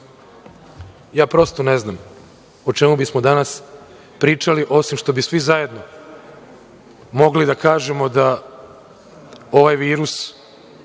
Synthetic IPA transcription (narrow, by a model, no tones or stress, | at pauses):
jaːpɾo̞st̪one̞znam | ot͡ʃemubismo̞d̪anas | pɾiːt͡ʃaliʔo̞simʃt̪obisʋizaje̞d̪no̞ | mo̞ɡlid̪akaːʒemo̞d̪a | o̞ʋajʋiːɾus